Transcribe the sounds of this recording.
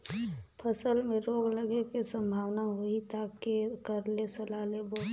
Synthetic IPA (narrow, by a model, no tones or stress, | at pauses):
pʰəsəlmẽɾoːɡləɡekesə̃mbʱaːʋnaɦoit̪akːekəɾlesəlaːlebɔː